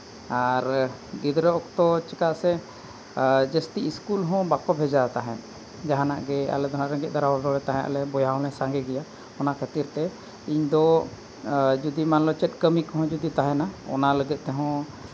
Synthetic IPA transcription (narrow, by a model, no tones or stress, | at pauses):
aɾɡid̪ɾɛɔkt̪ɔt͡ʃɛkaʔsɛ | d͡ʒəst̪iiskulɦɔ̃bakɔbʱɛd͡ʒat̪aɦɛ̰̃t̪ | d͡ʒaɦana̰ʔɡɛa̰lɛd̪ɔnaʔɾəɡɛʔ̪̚ˀd̪aɾawad̪ɔɽɛt̪aɦɛ̃ʔa̰lɛbɔjaɔ̃lɛ̃saŋɡɛɡɛja | ɔnaʔkʰat̪iɾt̪ɛ | iɲd̪ɔ | d͡ʒud̪imanlɔt͡ʃɛt̪̚ˀkəmikɔɦɔ̃d͡ʒud̪it̪aɦɛnaɔ̰naləɡɛt̪̚t̪ɛɦɔ̃